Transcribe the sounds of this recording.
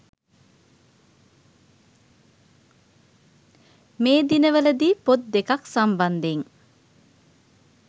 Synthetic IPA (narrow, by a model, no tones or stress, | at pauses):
meːd̪inəʋələd̪iːpot̪̚d̪ekaksamband̪eŋ